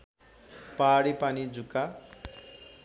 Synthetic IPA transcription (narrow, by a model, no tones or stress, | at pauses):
paɽepanid͡zukːa